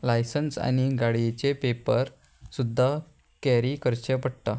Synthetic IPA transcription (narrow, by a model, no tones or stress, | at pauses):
lajsənsa̰ñiɡaɽiet͡ɕepepəɾ | sud̪ʱːa | kɛɾikəɾt͡ɕepəɽt̪a